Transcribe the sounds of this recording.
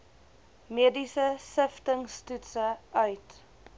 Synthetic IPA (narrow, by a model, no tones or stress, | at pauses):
miədisəsəftəŋstutsəʔœɥt